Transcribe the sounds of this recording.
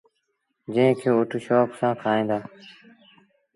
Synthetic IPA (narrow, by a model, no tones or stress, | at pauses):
d͡ʒẽːkʰeːoːʈuːʃoːpsãːkʰaːẽːd̪aː